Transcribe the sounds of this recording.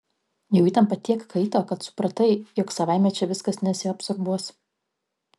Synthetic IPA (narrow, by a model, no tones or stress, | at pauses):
jɛʊiːt̪ʲɛnpɐt̪ʲiɛkkʰɐɪt̪oːkɐt̪sʊ̥pɾɐt̪ɐɪjɔksɐʋaˑɪmʲɛt͡ʃʲɛʋʲɪskɐsnʲɛsʲɪɐpsɔɾbuɔs